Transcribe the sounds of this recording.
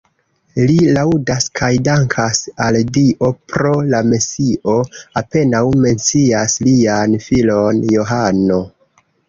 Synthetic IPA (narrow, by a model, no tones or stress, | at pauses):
lilawdaskʰajdaŋkʰasaldiʔo̞pɾo̞lamesiʔo̞ape̞nawme̞nt͡siaslianfilo̞njo̞ɦano̞